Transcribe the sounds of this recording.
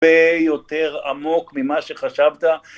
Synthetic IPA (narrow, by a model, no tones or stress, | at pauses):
ejot̪e̞ʁa̰mo̞kmimaʃeχaʃavt̪a